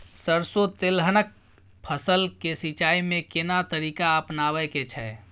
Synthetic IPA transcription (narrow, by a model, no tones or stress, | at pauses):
səɾsot̪elɦənək̚ | pʰəsəlkesit͡ʃaimekenat̪əɾikaəpnaβəket͡ʃʰɛ